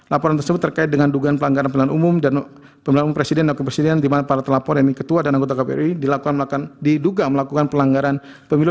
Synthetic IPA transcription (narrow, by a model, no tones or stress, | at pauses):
lapɔɾant̪ərsəbʊt̪ːərkaɪt̪̚dəŋanduɡanpəlaŋɡaɾanpəmilanʔumʊmdan | pəmilanumumpɾesidɛnlakukapɾesidɛndimanapaɾat̪əlapɔɾanikət̪uadanaŋɡot̪̬akapeɛ̰ɾidilakukandiduɡaməlakukanpəlaŋɡaɾan | pəmilʊ